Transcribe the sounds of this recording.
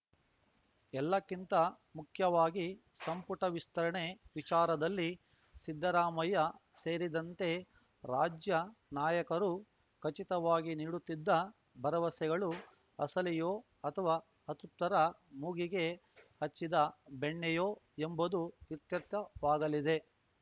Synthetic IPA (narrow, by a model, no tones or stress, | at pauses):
ɛlːɐkːint̪ɐ | mukʰjɐʋaːɡisɐmpuʈɐʋist̪ɐɾɐɳe̞ʋit͡ʃaːɾɐd̪ɐlːi | sid̪ʱːɐɾaːmɐjɐse̞ːɾid̪ɐnt̪e̞ | ɾaːd͡ʒjɐnaːjɐkɐɾu | kʰɐt͡ʃit̪ɐʋaːɡiniːɽut̪ːid̪ːɐ | bʱɐɾɐʋɐsɛɡɐɭu | ɐsɐlijoː | ɐt̪ʰɐʋaː | hɐt̪up̚t̪ɐɾɐmuɡiɡe̞ | hɐt͡ʃːid̪ɐbeɳːɛjoː | embud̪uiɾt̪jɐt̪jɐʋaːɡɐlid̪e̞